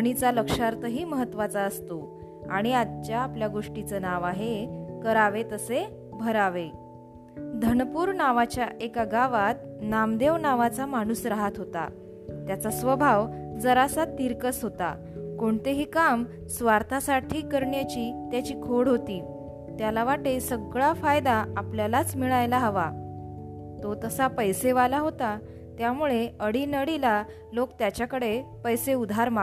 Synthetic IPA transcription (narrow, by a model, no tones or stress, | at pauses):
əɽ̃it͡saləkʂaɾt̪ʰəɦiːməɦət̪ːʋat͡saəst̪o | a̰ɽ̃iad̪t͡ɕjaːpljaɡoʂʈit͡sənaʋaɦekəɾaʋet̪əse | bʱəɾaʋe | d̪ʱənpuːɾnaʋat͡ɕjaʔekaɡaʋat̪̚ | namd̪eʋnaʋat͡samaɽ̃uːsɾaɦat̪ɦot̪a̰ | t̪jat͡sasʋəbʱaʋd͡zəɾasat̪iɾkəsɦot̪a̰ | koɳt̪eɦiːkam | sʋaɾt̪ʰasaʈʰiːkəɾɳjat͡ɕiːt̪jat͡ɕiːkʰoɽɦot̪iː | t̪jalaʋaʈesəɡɭafajd̪aapljalat͡smiɭajlaɦəʋa | t̪ot̪əsapəjseʋalaɦot̪a | t̪jamuɭeəɽiːnəɽila | lokt̪jat͡ɕjakəɽepəjseud̪ʱaɾma